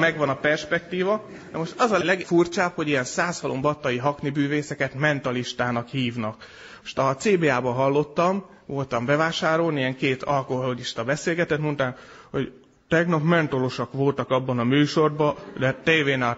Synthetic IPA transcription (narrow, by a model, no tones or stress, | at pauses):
mɛɡʋɒnɒpɛrʃpɛk̚t̪iːvɒ | d̪ɛmo̞ʃt̪ɒzɒlɛɡfurt͡ʃaːpho̞ɟijɛnsaːshɒlʔombɒt̪ːɒjiɦɒknibyːveːsɛkɛt̪mɛnt̪ɒliʃt̪aːnɒkhiːvnɒk | moʃt̪ɒt̪seːbeːaːbɒɦɒlːo̞t̪ːɒm | ʋo̞lt̪ɒmbɛvaːʃaːɾo̞lniijɛŋkeːt̪ʰɒlkoɦoliʃt̪ɒbɛseːlɡɛt̪ɛt̪mont̪aːnho̞ɟ | t̪ɛɡnɒpmɛnt̪o̞lo̞ʃɒkʋo̞lt̪ɒkɒbːɒnɒmyːʃo̞rbɒd̪ɛt̪eːveːnɛ